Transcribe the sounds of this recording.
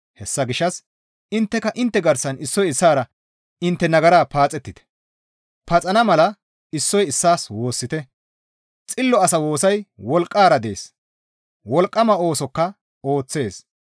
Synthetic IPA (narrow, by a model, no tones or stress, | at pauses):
hɛsːɐɡɪʃːɐs | ɪnt̪ːɛkɐʔɪnt̪ːɛɡɐɾsɐnɪsːɔjɪsːaːɾɐ | ɪnt̪ːɛnɐɡɐɾaːpaːt͡sʼɛt̪ːɪt̪ɛ̥ | pɐt͡sʼɐnɐmɐlɐ | ɪsːɔjɪsːaːswo̞ːsːɪt̪ɛ | t͡sʼɪlːɔɐsɐwo̞ːsɐjwɔlkʼːaːɾɐd̪e̞ːs | wɔlkʼːɐmɐo̞ːsɔkːɐ | o̞ːt͡sːe̞ːs